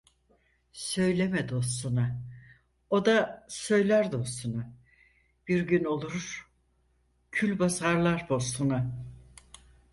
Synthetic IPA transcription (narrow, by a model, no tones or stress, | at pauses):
sø̞jlʲemɛd̪o̞sst̪una | od̪asø̞jlʲæɾd̪o̞st̪una | b̥iɾɟyno̞lˠuɾ̥ | cʰylʲbazaɾlˠaɾbo̞st̪una